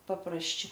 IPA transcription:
pɐprɐsʲˈt͡ʃʲɛ

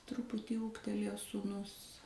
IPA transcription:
ˈtrʊpʊtʲiː ˈuːktʲɛlʲeːjoː suːˈnʊs

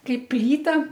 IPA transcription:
ˈkɐɪp ˈpʲlʲiːtɐ

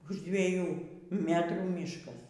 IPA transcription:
ʊʃ dʲʋʲiɛˈjuː ˈmʲæːtruː ˈmʲiːʃkɐs

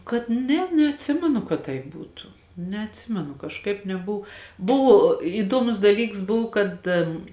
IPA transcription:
kɐt ˈnʲɛ nʲɛɐtʲˈsʲɪmʲɛnʊ kɐt ˈtɐɪp ˈbuːtʊ nʲɛɐtʲˈsʲɪmʲɛnʊ kɐʃˈkɐɪp nʲɛˈbʊw ˈbʊʋoː iːˈduɔmʊs dɐˈlʲiːks ˈbʊw kɐt

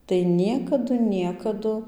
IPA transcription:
tɐɪ ˈnʲiɛkɐdʊ ˈnʲiɛkɐdʊ

